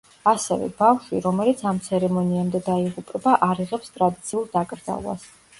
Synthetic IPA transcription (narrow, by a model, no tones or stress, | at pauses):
asɛ̰vɛ̰bafʃiɾɔmɛlit̪sʰamt̪sʰɛɾɛmɔniamd̪ɛd̪aiʁupʼɛbaʔaɾiʁɛpst̪ʼɾad̪it̪sʰiulˠd̪akʼɾd̪za̰lˠwa̰s